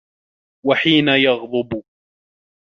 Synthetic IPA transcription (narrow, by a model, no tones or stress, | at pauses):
waħiːnajɑɣd̪ˤʊb